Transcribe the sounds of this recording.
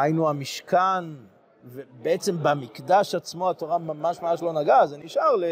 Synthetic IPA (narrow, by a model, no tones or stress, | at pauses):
hajnuamiʃkan | vebeet͡se̞mbamikdaʃat͡smoato̞ʁamamaʃmamaʃ̬lo̞naɡazeniʃaʁle